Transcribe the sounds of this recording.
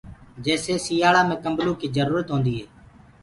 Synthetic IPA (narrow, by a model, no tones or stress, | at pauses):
d͡ʒeːseːsiːjaːɭaːmẽːkəmblũːkiːzəɾuːɾət̪ɦõːnd̪iːɦeː